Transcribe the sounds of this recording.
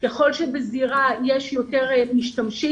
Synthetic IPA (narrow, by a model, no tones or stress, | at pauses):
keχo̞lʃebeziʁajeʃjote̞ʁmiʃtamʃi